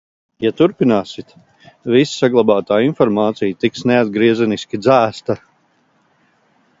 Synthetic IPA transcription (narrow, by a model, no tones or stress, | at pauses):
jat̪uɾpinaːsit̪ | vissaɡlˠabaːt̪aːinfɔɾmaːt̪sijt̪iksnead̪̚ɡɾiɛzɛniskʲid̪zæːst̪a